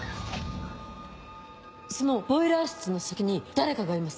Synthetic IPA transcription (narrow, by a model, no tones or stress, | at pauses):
so̞no̞bo̞iɾaːsɨ̥t͡sɨno̞sakʲiɲ̟id̪̥aɾe̞kaɡaːɾʲimasɨ̥